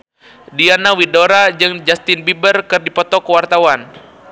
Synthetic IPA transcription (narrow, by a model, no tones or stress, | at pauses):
dianawidoɾad͡ʒɨŋd͡ʒast̪ɪnbibərkɨrdipɔt̪ɔkəwart̪awan